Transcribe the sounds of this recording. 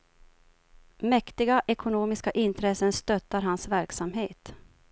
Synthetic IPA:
mɛkt̪ɪɡaʔɛkʰʊnoːmɪskaʔɪnt̪ʰɾɛsənst̪œt̪ːaɾɦansvæɾksamɦeːt̪

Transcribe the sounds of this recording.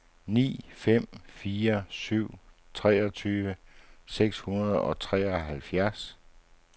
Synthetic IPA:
nḭːfem̰fiːɐsyʊ̰t͡sʰʁɛːɒt͡sʰyːʋəseɡ̥shunɐð̞ˠɒ̽t͡sʰʁɛːɒɦælfjæɐs

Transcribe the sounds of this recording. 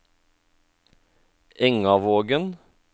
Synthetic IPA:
ʔɛŋɑʋoːɡən

